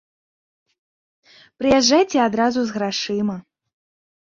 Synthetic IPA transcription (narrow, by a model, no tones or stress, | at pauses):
pɾɨjɛʐːajt͡sʲɛad̪ɾazuzɣɾaʂɨmɐ